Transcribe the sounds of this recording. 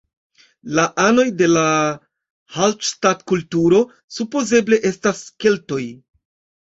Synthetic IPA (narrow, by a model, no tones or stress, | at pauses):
laʔano̞jde̞la | halʃtatkultuɾo̞ | supo̞ze̞ble̞ʔe̞staske̞lto̞j